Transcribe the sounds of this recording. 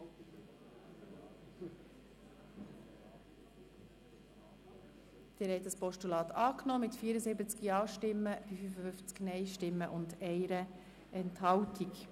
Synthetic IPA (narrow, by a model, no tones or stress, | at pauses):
d̪̥ɪːɾhɛjtdəspɔʃtulɑːt̪ʰɑːknɔːmɪt̪fiəɾəzɪbət͡skiɑːʃtɪmːəfyfyfəfʏft͡sknɛɪʃtɪmːəʔʊndɛɪɾə | ʔɛnthɑwtʰik